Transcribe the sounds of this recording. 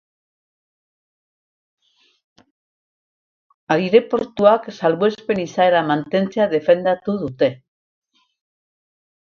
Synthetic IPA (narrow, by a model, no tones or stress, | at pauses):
aɾiɾe̞po̞ɾt̪uaksalβue̞spe̞nisaeɾamant̪e̞nt͡seaðe̞fe̞nd̪at̪uðut̪e̞